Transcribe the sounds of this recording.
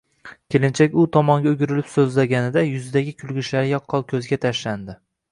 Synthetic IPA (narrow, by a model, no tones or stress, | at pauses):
kʲe̞lɪnt͡ʃʰakʲʊt̪ʰɒmɒŋɡʲaʊɡʲɪɾɪlɪpsɵzlaɡʲanɪd̪ajʊzɪd̪aɡʲɪkʲʰʊlˠɡʲɪʃlaɾɪjɒqʰːɒlˠkʲʰɵzɡʲat̪ʰaʃland̪ɪ